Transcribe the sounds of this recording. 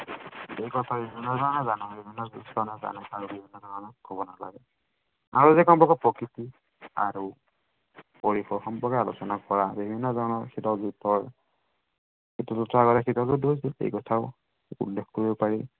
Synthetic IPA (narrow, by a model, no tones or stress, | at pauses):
ejkɔtʰabibʱinːɔzɔnɔnazanɔ̃bibʱinːɔzustɔnaza̰nɔ̃aɹubibʱinːɔzɔnɔnɔkhobɔnala̰ɡɛ | aɹuzɛkɔmpɔkɔpɔkɹit̪i | a̰ɹu | pɔɹixɔxɔmpɹɔɡaalɔsɔnakɔɹabibʱinːɔzɔɹnɔkʰitɔzutɔɹ | kitɔzutʰːɔaɡɔtakʰitɔwzudɦojsilḛjkɔtʰaʊ | ṵlːexkoɹiɔpaɹi